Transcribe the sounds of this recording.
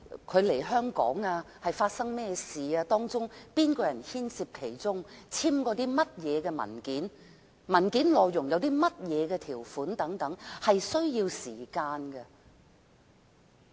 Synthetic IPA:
kʰɵ˨˧ɥle˨˩jɦœː˥ŋkɔ̰ː˨˥ŋaː˧ | hɐ˨jfaː˧t̚sɐ˥ŋmɛː˥siː˨aː˧t̪ɔː˥ŋt͡sʊ˥ŋpiː˥nkɔː˧jɐ˨˩nhiː˥nsiː˧p̚kʰe˨˩jt͡sʊ˥ŋt͡sʰiː˥mkɔː˧t̪iː˥mɐ˥t̚jɛː˨˧kɛː˧mɐ̰˨˩nkiː˨˥n | mɐ˨˩nkiː˨˥nlɔː˨jːʊ˨˩ŋjɐ˨˧wt̪iː˥mɐ˥t̚jɛː˨˧kɛː˧t̪ʰiː˨˩wfuː˨˥nt̪ɐ˨˥ŋt̪ɐ˨˥ŋhɐ˨jsɵ˥ɥjiː˧wsiː˨˩kaː˧nkɛ˧

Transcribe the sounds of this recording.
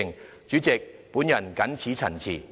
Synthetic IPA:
ŋ | t͡ʃyː˨˥t͡sɪ˨k̚puː˨˥njɐ˨˩nkɐ˨˥nt͡sʰiː˨˥t͡sʰɐ̰˨˩nt͡sʰḭː˨˩

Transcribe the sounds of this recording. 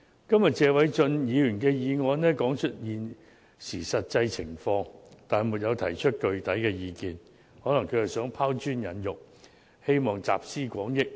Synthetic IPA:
kɐ˥mjɐ˨˩t̚t͡sɛː˧wɐ˨˥jt͡ʃɵ˧njiː˨˧jyː˨˩nkɛː˧jiː˨˧ŋɔː˨˧nnɛː˥kɔː˨˥ŋt͡ʃʰɵ˥t̚jiː˨n | siː˨˩sɐ˨t̚t͡sɐ˧jt͡sʰɪ˨˩ŋfɔː˧ŋt̪aː˨˩nmu˨t̚jɐ˨˧wt̪ʰɐ˨˩jt͡ʃʰɵ˥t̚kɵ˨ɥt̪ɐ˨˥jkɛː˧jiː˨˧kiː˨n | hɔː˨˥lɐ˨˩ŋkʰɵ˨˧ɥhɐ˨jsœː˨˥ŋpʰaː˥wt͡ʃyː˥njɐ˨˧˥njʊ˨k̚ | he˥jmɔː˨ŋt͡sa̰ː˨˩p̚siː˥kʷɔː˨˥ŋjɪ˥k̚

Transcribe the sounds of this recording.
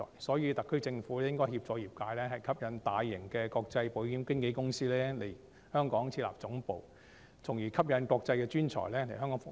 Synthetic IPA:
ɔ̰ː˨˩jsɔː˨˥jiː˨˧t̪ɐ˨kʰːɵ˥t͡sɪ˧ŋfuː˨˥lɛː˥jɪ˥ŋkɔː˥jhiː˧p̚t͡sɔː˧jiː˨p̚kaː˧jlɛː˥ɦɐ˨jkʰɐ˥p̚jɐ˨˥nt̪aː˨jːɪ˨˩ŋkɛː˧kɔː˧k̚t͡sɐ˧jpo˨˥wjiː˨˥mkɪ˥ŋke˨˧˥jkʊ˥ŋsiː˥lɛː˥le˨˩j | hœː˥ŋkɔː˨˥ŋt͡sʰiː˧la̰ː˨˩p̚t͡sʊ˨˥ŋpo˨w | t͡sʰʊ˨˩ŋjiː˨˩kʰɐ˥p̚jɐ˨˧nkɔː˧k̚t͡sɐ˧jkɛː˧t͡ʃyː˥nt͡ʃʰɔ̰ː˨˩jlɛː˥le˨˩jɦœː˥ŋkɔː˨˥ŋfʊ˨˥

